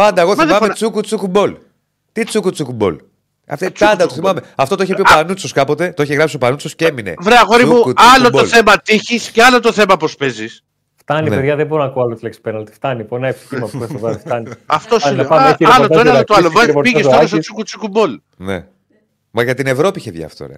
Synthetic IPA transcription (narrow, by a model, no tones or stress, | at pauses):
pɐnd̪ɐeɣoθimɐmet͡sukut͡sukubo̞l | t̪it͡sukut͡sukubo̞̰l | ɐ̰ft̪pɐnd̪ɐt̪oθimɐme̞ɐft̪o̞t̪oiçepiopanut͡soskɐpo̞t̪e̞t̪o̞içeɣɾɐpsiopanut͡sosceeminḛvɾeɐɣoɾimuuɐlotb̪olθemɐt̪içisceɐlot̪oθe̞mɐpospezis | ft̪ɐninpeðʝɐðebo̞ɾonɐkuɐlot̪ileksi̥peɾnɐlt̪i̥ft̪ɐniponɐeftmɐpuesovɐifɐniɐftt̪osɐɐlooeɐot̪oɐlovɐzpiʝest̪olos̬t̪ot͡sukut͡sukubo̞l | nḛ | mɐʝɐt̪ine̞vɾo̞piiçeðʝɐ̰ft̪o̰ɾɐ̰